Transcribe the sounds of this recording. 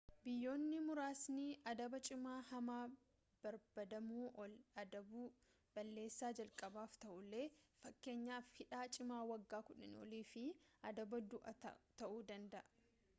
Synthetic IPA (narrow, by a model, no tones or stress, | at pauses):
bɪjːo̞ːnːɪmʊɾaːsnɪʔɐd̪ɐbɐt͡ʃʼɪmaːhɐmaː | b̥ɐɾbɐd̪ɐmuːʔɔlɐd̪ɐbu | b̥ɐlːe̞ːsːaːd͡ʒɐlkʼɐbaːft̪ɐʔʊlːe̞ːfɐkːe̞ːɲːaːfhɪᶑaːt͡ʃʼɪmaːwɐɡːaːkʊᶑɐnɔ̰liːfɪʔɐd̪ɐbɐd̪ʊʔɐ̰t̪ɐʔuːd̪ɐnd̪ɐʔɐ